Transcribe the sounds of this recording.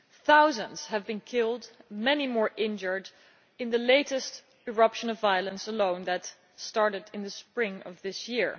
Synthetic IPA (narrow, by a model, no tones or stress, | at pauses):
θaʊzə̃nz̥hɨvbɨ̃nkʰɪlˠdmɛnimɔɹʔɪ̃nd͡ʒə˞d | ɨ̃nðəleɪɾɨst | ɨɹʌpʃə̃nʌvaɪəlˠə̃nsəlõʊ̃nðɨt | stɑɹɾɨɾɨ̃nðɨspɹɪ̃ŋʌ̰vðɪsjɪɹ